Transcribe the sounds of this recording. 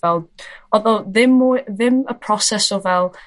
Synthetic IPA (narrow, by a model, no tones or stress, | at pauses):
ɛlˠɔðɔðɪmuðɪməpʰrɔsɛsɔvɛlˠ